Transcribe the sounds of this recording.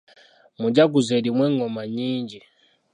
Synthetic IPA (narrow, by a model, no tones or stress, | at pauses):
mud͡ʒaɡuzɛɾimwɛŋɔmaɲiːɲd͡ʒi